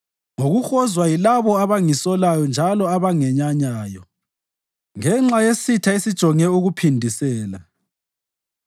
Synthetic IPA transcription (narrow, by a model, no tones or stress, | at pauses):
ŋoɣuxɔzwajilaβɔaβaŋisɔlajɔnd͡ʒʱalɔaβaŋɛɲaɲaːjɔ | ŋɛŋ͡ǁajesitʰaisid̥ʒ̥ʱɔŋɛuɣupʰindʱisɛːla